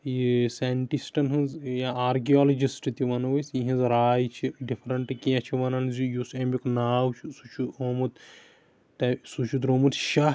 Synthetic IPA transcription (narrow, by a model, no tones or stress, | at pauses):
jiseɳʈisʈɐnɦɨnzjaaːɾkiɔːlɐd͡ʒisʈɨt̪iʋɐnɐʋɐsĩɦĩnzɾaːjt͡ʃʰiɖipʰɾɐɳʈɨkiãt͡ʃʰiʋɐnɐnzijusemʲiknaːwt͡ʃʰusut͡ʃʰuoːmut̪ | t̪ɐsut͡ʃʰud̪ɾoːmut̪ʃa